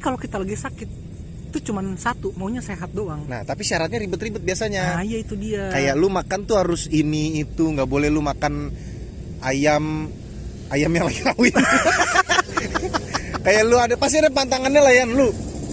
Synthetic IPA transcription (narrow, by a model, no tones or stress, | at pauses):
kalokit̪alaɡisakɪt̪̚ː | ut͡ʃumansat̪umauɲaseɦat̪̚doaŋna̰ht̪apiʃaɾat̪̚ɲaɾibʊt̪ribʊt̪̚biasaɲaajait̪udiakajaʔlumakant̪uhaɾʊsiniːt̪uŋɡaʔbolɛhlumakan | ajam | ajamjaŋlaɡikawi | kajaʔluadapast̪iadapant̪̬aŋanɲalahjanlu